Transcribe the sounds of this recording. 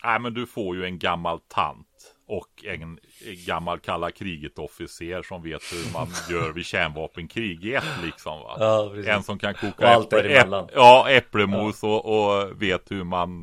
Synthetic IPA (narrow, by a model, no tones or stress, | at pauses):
næɪmɛnd̪ɵfoːɾjɵɛnɡamːalt̪ʰa̰nt̪ | ɔkɛnɡamːalkʰalːakʰɾiːɡət̪ɔfɪseːɾʂɔmveːt̪hɵɾmanjœːɾvɪɕæɳvɑːpənkʰɾiːɡɛt̪ːlɪksɔmva̰ɛnsɔmkʰankʰuːkalt̪ɾɪɛlːanɑːɛpːɽəmuːsɔʔɔveːt̪hɵɾman